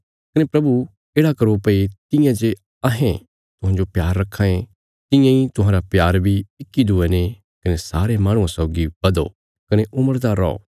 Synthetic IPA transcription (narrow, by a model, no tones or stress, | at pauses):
kɐnepɾɐbu | eːɽakɐɾopɐit̪ɪ̃jãd͡ʒe | ɐɦẽ | t̪ʊɦãːd͡ʒopjaːɾːɐkʰːãẽ | t̪ɪ̃jãĩt̪ʊɦãːɾapjaːɾbʱiɪkːid̪ʱʊene | kɐnesaːɾemãːɽ̃ũãsɔːɡibɐd̪o̰ | kɐneʔʊməɾd̪aːɾːɔo̰ː